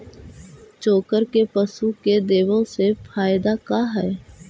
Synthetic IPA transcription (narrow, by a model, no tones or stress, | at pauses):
t͡ʃoːkəɾkepəsuːked̪eːʋõsepʰaːɪd̪akaɦɛː